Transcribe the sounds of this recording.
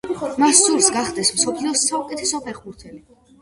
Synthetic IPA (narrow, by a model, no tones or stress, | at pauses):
masːuɾsɡaχd̪ɛsmsɔpʰliɔsaukʼɛt̪ʰɛsɔpʰɛχbuɾt̪ʰɛli